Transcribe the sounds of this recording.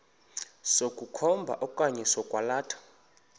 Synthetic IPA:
sokʼukʰɔmbʱa̰ʔɔkʼaɲɛsɔkʼwalaːtʰḁ

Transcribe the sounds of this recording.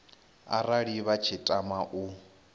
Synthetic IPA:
a̰raɺiβat͡ʃʰitʼamaʔu

